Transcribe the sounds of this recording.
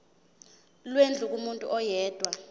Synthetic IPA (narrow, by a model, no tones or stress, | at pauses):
lwend͡ɮʱuk̬ʼumuntʼṵʔɔjɛːd̥ʱwa